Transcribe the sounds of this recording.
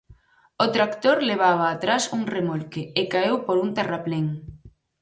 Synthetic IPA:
ot̪ɾakt̪oɾleβ̞aβ̞aːt̪ɾasuŋremolkeɪkaewpoɾunt̪arapleŋ

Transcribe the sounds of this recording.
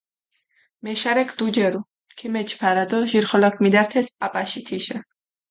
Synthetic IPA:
mɛʃaɾɛkʰd̪ud͡ʒɛɾu | kʰimɛt͡ʃʰpʰaɾad̪ɔʒiɾχɔlakʰmid̪aɾt̪ʰɛsapʼaʃit̪ʰiʃɛ

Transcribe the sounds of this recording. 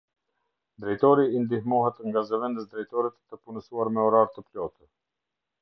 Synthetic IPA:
d̪ɾɛjt̪ɔɾiːnd̪ihmɔɦɛt̪ŋɡazəvɛnd̪əsd̪ɾɛjt̪ɔɾɛt̪ːəpunəsuaɾmɛɔɾaɾt̪əplɔt̪ə

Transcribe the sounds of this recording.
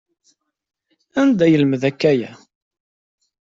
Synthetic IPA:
ænd̪æjəlməðækːæjæ

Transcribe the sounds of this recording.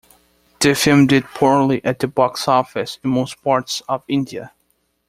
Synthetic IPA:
ð̥ɨfɪlˠmdɪd̚pʰɔɹlˠiʔɨt̪̚ðɨbɑksɔfɪsɪ̃nmoʊs̚pʰɑɹtsʌvɪ̃ndiɨ̰

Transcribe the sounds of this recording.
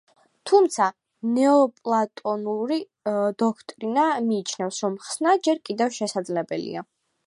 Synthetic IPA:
t̪ʰumt̪sʰa | nɛɔpʼlˠat̪ʼɔnuɾi | d̪ɔkʰt̪ʼɾinamiːt͡ʃʰnɛfsɾɔmχsnad͡ʒɛɾkʼid̪ɛfʃɛsad̪zlɛbɛlḭa

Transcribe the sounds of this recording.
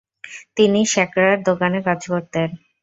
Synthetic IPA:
t̪iniʃɛkɾaɾd̪okanekad͡ʑkoɾt̪en

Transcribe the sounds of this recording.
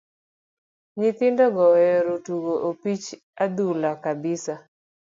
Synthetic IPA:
ɲɪt̪ɪndɔɡɔjɔɾotuɡoʔopit͡ʃ | ad̪ulakabɪsa

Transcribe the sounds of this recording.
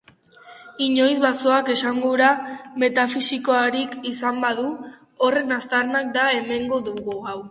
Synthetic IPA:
iɲo̞jzβaso̞ake̞saŋɡoɾame̞t̪afisiko̞aɾikisambaðu | ore̞nast̪aɾnak̚d̪ae̞me̞ŋɡo̞ðuɣuɣaw

